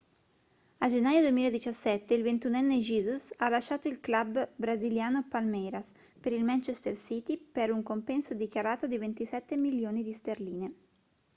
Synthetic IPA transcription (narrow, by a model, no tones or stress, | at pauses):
ad͡ʒenːaːjod̪uemiːlaed̪it͡ʃasːɛt̪ːeilvent̪unɛnːed͡ʒiːzusalaʃːaːt̪oilklabːɾaziljaːnopalmɛɾas | peɾilmant͡ʃest̪ersiːt̪ipeɾuŋkompɛnsod̪ikjaɾaːt̪od̪ivent̪isɛt̪ːemiljoːnid̪ist̪erliːne